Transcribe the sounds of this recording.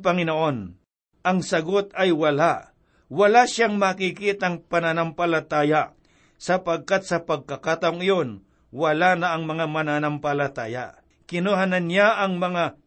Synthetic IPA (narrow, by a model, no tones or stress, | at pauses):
pɐŋɪnoʔo̞n | ʔɐŋsɐɡo̞t̪ɐjwɐla | wɐlaʃaŋmɐkikiːt̪ɐŋpɐnanɐmpɐlɐt̪aːja | sɐpɐɡ̚kat̪̚sɐpɐɡ̚kɐkat̪ɐʔoŋɪjo̞n | wɐlanɐʔɐŋmɐŋamɐnanɐmpɐlɐt̪aːja̰ | kɪnoɦanɐnjaʔɐŋmɐŋa